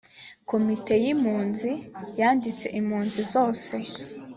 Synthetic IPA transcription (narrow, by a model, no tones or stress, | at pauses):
ko̞mite̞jimhuːnzijaːndit͡se̞ʔimhuːnzizo̞ːse̞